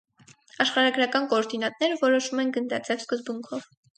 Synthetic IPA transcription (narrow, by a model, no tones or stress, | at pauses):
ɑʃχɑɾɑɡɾɑkɑnkɔːɾd̪inɑt̪̚nɛɾəvɔɾɔʃumɛnɡənd̪ɑt͡sɛvskəzbuŋkʰɔv